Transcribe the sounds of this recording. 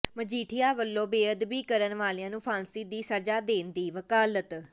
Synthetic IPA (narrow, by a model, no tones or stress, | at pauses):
məd͡ʒiːʈʰɪjaːʋəlːõːbeːəd̪biːkəɾənʋaːlɪãːnũːpʰãːnsiːd̪iːsəd͡ʒaːd̪eːnd̪iːʋəkaːlət̪